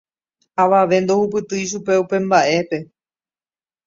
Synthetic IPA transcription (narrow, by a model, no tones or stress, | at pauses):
aʋaʋe̞nd̪o̞hup̬ɨt̪ɨjʃ̬upe̞upe̞mbaʔe̞pe̞